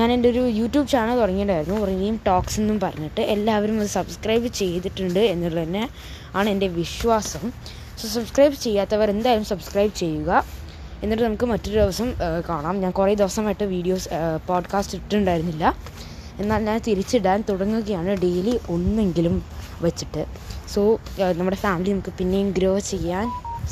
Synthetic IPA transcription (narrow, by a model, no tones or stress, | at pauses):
ɲaːne̞nde̞o̞ɾujuːtːjuːbt͡ɕaːnɐlt̪urɐŋːijuɳɖaːjiɾunːurɐŋːɐjumʈoːkse̞nːumpɐrɐɲːiʈːɨe̞lːaːʋɐɾumɐðɨsɐbskrɐjbɨt͡ɕe̞jt̪iʈːuɳɖɨe̞nːuɭːɐt̪inːe̞ | aːɳɨende̞ʋiʂʋaːsɐm | sosɐbskrɐjbt͡ɕe̞jːaːt̪ːɐʋɐɾe̞nd̪aːjɐlumsɐbskrɐjbɨt͡ɕe̞jːuɣɐ | e̞nːiʈːɨnɐmukːɨmɐtːoɾud̪iʋɐsɐmkaːɳaːmɲaːnkured̪iʋɐsɐmaːjiʈːɨʋiːɖijo̞ːspoːɖkaːstiʈːuɳɖaːjiɾunːilːɐ | e̞nːaːlɲaːnt̪iɾit͡ɕːiɽaːnt̪uɽɐŋːuɣɐjaːɳɨɖe̞ːliʔo̞nːe̞ŋɡilum | ʋɐt͡ɕːiʈːɨ | so̞ːnɐmːuɽe̞faːmilinɐmukːɨpinːe̞jumɡɾoːʋɐt͡ɕːe̞jjaːn